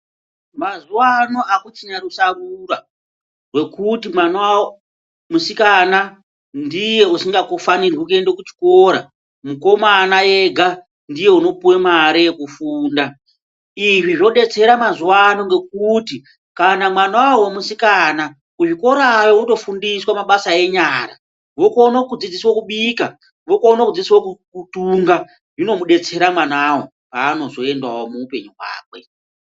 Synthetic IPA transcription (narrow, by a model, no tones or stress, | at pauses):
mazuwano̞ʔakut͡ʃinarusarura | rwe̞kutimwanwawo | musikana | ndije̞usiŋɡakofanirukendokut͡ʃi̥koɾa | muko̞manajeɡʱa | ndije̞uno̞puwemaɾijekufuːnda | iʐiʐo̞ɗe̞t͡se̞ɾamazuwano̞ŋɡe̞k̚uti | kanamwanawawemusikaːna | kuʐiko̞ɾaʋeuto̞fundiswamaɓasae̞ɲaːɾa̰ | ʋokonakud͡zid͡ziswokuɓika | ʋokoːnakud͡ziswokukutuːŋɡa | ʐino̞muɗe̞t͡se̞ɾamwanawo̰ | aːno̞zo̞e̞ndwawomuupe̞ɲuɦwa̰ːkwe̞